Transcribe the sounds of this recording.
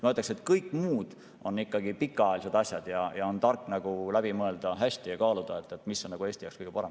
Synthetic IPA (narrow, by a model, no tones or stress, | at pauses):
mɑeːt̪ːˑɑkse̞t̪kɤjkːˑmuːd̪̥ | o̞nːikːɑɡipikːˑɑɑelised̪̥ɑsjɑd̪̥jɑjɑo̞nt̪ɑrkːˑnɑɡ̥ulæb̥imɤe̞ld̪̥ɑɦæsʲt̪ijɑkɑːlud̪̥ɑet̪ːˑet̪misːo̞nɑɡ̥uest̪ijɑ̰kskɯjɡ̥epɑɾem